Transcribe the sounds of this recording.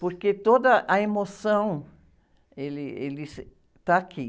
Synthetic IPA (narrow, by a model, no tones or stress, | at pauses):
poɾket̪od̪ɐʔɐemosɐ̃w̃ | elɪelɪs | t̪aakʰi